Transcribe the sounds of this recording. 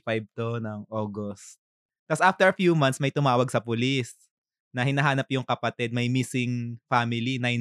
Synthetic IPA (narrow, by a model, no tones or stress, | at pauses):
fajb̚t̪onɐŋʔoːɡost̪̚ | k̪ːɐsʔaft̪ɛɹɐfjuːmɐnt̪smɐjt̪ʊmaːwɐɡ̚sɐpʊlis | nɐhɪnɐɦaːnɐpjʊŋkɐpɐt̪ɛd̪̚mɐjmisɪŋfamɪlinɐj